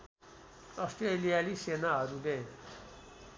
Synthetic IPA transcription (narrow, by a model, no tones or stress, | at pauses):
ʌsʈrelijalisenaɦʌɾule